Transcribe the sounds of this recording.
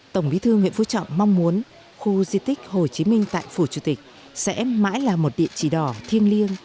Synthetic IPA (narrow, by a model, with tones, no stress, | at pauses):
t̪ə˧˩wŋ͡mɓi˨˦t̪ʰɨ˧ŋwḭ˧˨ənfṵ˧˥t͡ɕɔ̰˧˨wŋ͡mːa˧wŋ͡mmu˨˦ən | xu˧zi˧t̪ï˦˥k̟̚ho˨˩jt͡ɕi˨˦mï˧ŋ̟t̪a̰ː˧˨jfu˧˩t͡ɕu˧˩t̪ï˨˩k̟̚ | sɛ̰˧˥ma̰ː˧˥jlaː˨˩mo˨˩t̚ɗḭ˧˨ənt͡ɕi˧˩ɗɔ˧˩t̪ʰi˧ənli˧əŋ